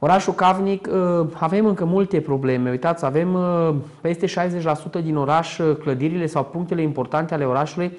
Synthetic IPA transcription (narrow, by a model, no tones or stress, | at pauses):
o̞ɾaʃukavnikəave̞mɨŋkəmult̪e̞pɾo̞ble̞me̞ujt̪at̪save̞mpe̞st̪e̞ʃajze̞t͡ʃʲlasut̪əd̪ino̞ɾaʃkləd̪iɾile̞sawpuŋkt̪e̞le̞impo̞rt̪ant̪eale̞o̞ɾaʃuluj